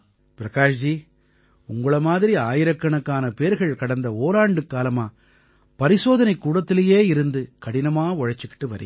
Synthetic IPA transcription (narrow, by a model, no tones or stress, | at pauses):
pɪɾɐkaːʂd͡ʒi | ʊŋɡɐɭɐmaːðɪɾiaːjɪɾɐkːɐɳɐkːaːnɐpeːɾɣɐɭkɐɽɐnd̪ɐoːlaːɳɖɯkːaːlɐmaː | pɐɾɪsoːðɐnɐɪkːuːɽɐt̪ːɪlɐjeːɪɾɯnd̪ɯkɐɽɪnɐmaːɔɻɐt͡ʃːɯkːɪ̥ʈːɯʋɐɾɪ̰